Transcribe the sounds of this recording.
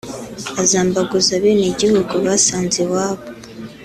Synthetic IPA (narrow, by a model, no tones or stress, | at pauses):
azaːmbaɡuzaβeniɟihuɡuβaːsaːnzewaːβo